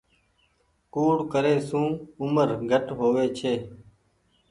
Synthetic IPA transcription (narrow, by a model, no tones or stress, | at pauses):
kuːɽkəɾeːsũːʊməɾɡʱəʈɦoːʋeːt͡ʃʰeː